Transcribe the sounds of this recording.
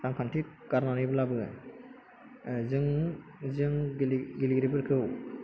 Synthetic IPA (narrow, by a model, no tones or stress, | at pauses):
taŋkʰantʰi | kaɾnaɾibɯlabɯ | zɯŋzɯŋɡiliɡɾibɯɾkʰɯw